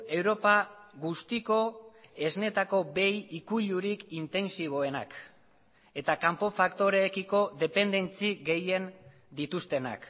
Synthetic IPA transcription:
e̞wɾo̞paɣust̪iko̞e̞zne̞t̪ako̞be̞jikuʎuɾikint̪e̞nsiβ̞o̞e̞na̰k | e̞t̪akampo̞fakt̪o̞ɾe̞ːkiko̞ðe̞pe̞nd̪e̞nt͡siɡe̞je̞n | d̪it̪ust̪e̞na̰k

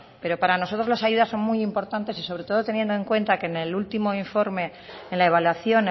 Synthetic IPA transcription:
pe̞ɾo̞paɾano̞so̞t̪ɾo̞zlasaʝuðasːo̞nmujimpo̞ɾt̪ant̪e̞siso̞βɾe̞t̪oðo̞t̪e̞nje̞nd̪oe̞ŋkwẽ̞nt̪akenelult̪imo̞iɱfo̞ɾme̞ | enlae̞β̞alwaθjo̞n

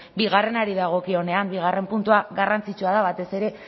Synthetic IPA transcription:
biɣare̞naɾiðaɣ̞o̞kio̞ne̞ambiɣ̞are̞mpunt̪uaɣarant͡sit͡ʃuaðaβat̪e̞se̞ɾe̞

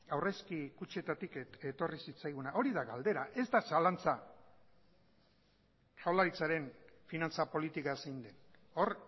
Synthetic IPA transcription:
awre̞skikut͡ʃe̞t̪at̪iket̪o̞risit͡sajɣunao̞ɾiðaɣald̪e̞ɾaʔe̞zd̪asalant͡sa | ʃawlaɾit͡saɾe̞nfinant͡sapo̞lit̪ikasejnd̪e̞n | o̞r

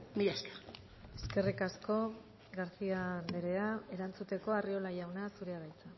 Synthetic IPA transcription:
miʎaskḁ | e̞ske̞rikasko̞ | ɡaɾsiand̪eɾe̞ae̞ɾant͡sut̪e̞ko̞ario̞lajawnasuɾe̞aɣajt͡sa

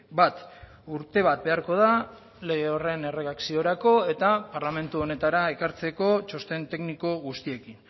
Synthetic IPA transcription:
bat̪ | uɾt̪e̞β̞at̪̚be̞aɾko̞ð̞a | le̞ɣeore̞ne̞re̞ɣaksio̞ɾako̞e̞t̪apaɾlame̞nt̪uo̞ne̞t̪aɾae̞kaɾt͡seko̞t͡ʃo̞st̪e̞nt̪e̞kniko̞ɣust̪ie̞kin

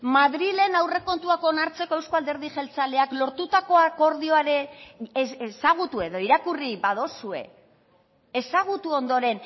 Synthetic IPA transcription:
maðɾile̞nawre̞ko̞nt̪uako̞naɾt͡seko̞e̞wsko̞ald̪e̞ɾð̞iʝe̞lt͡sale̞aklo̞ɾt̪ut̪ako̞ako̞ɾðio̞aɾe̞ | saɣ̞ut̪ue̞ðo̞iɾakuribað̞o̞sue̞̰ | esaɣ̞ut̪uo̞nd̪o̞ɾe̞n

